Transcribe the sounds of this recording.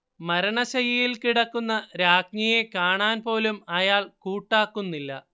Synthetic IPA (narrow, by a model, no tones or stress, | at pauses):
mɐɾɐɳɐɕɐjɐjilkiɽɐkːunːɐɾaːkɲɐjekaːɳaːnpo̞ːlumɐjaːɭkuːʈːaːkːunːilːɐ̰